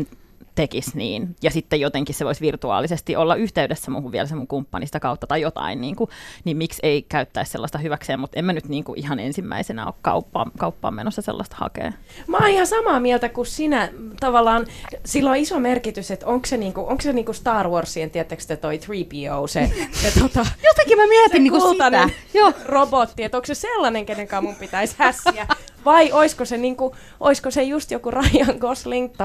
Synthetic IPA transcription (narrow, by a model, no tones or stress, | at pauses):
n | t̪ekisniːnjɑsit̪ːejot̪eŋkisseʋoisʋirt̪uɑ̰ːlisest̪iʔolːɑyht̪eydesːæmuːhuʋʋiæ̰lsemuŋkumpːɑnisi̥t̪ækɑut̪ːɑt̪ɑjjot̪ɑ̰inniːŋkunimmikseikæyt̪ːæissḛlːɑst̪ɑhyʋækseːmut̪emːænyt̪niːŋkuʔihɑnḛnsimːæ̰isenæ̰o̰kkɑ̰upːɑ̰mkɑupːɑ̰ːmḛnosːɑsḛlːɑst̪ɑ̥hɑ̰kḛː | mɑːihɑsɑmɑːmiælt̪ækussinæt̪ɑʋɑlːˑɑːnsilːoisomerkit̪yset̪oŋkseniːŋkuʔoŋkseniːŋkust̪ɑːrworsːient̪iæt̪ːækst̪æt̪oit̪riːpiouseset̪ot̪ɑjot̪ɑkimæmiæt̪inniːkuulɑnejoːrobot̪ːiet̪okseselːɑneŋkeneŋkɑːmumpit̪æishæsːiæ | ʋɑiʔoiskoseniːŋku | ʔoiskosejust̪jokurɑjjɑŋɡosliŋktː